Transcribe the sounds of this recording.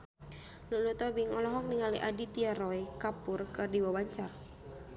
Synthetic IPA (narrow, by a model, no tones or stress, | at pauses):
luʔlut̪ɔbiŋɔlɔɦɔk̚niŋaliʔadit̪iaɾɔikapurkɨrdiwawaɲt͡ʃar